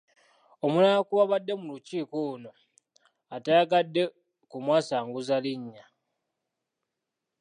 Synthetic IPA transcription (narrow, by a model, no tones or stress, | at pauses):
o̞munakuβaβadːe̞muluciːkouno̞ | ataːɡadːe̞ | kumwaːsaːŋɡuzaliɲːa